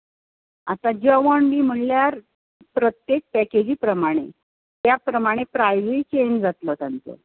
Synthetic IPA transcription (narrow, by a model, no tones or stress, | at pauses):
at̪ad͡ʑəʋɔɳʋiːm̤əɳljaɾ | pɾət̪jek̚pæked͡ʑiːpɾəmaɽ̃e | t̪japɾəmaɽ̃epɾajʋit͡ɕend͡zat̪lɔt̪ant̪o̰